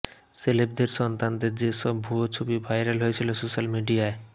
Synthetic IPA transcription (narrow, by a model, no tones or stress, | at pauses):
selep̚d̪eɾsɔnt̪and̪eɾd͡ʑeʃɔbbʱuot͡ɕʰobibʱajɾalɦoet͡ɕʰilosoʃalmiɖiae